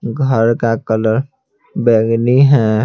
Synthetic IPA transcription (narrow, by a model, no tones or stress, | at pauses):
ɡʱəɾkakələɾ | bɛɡniɦɛ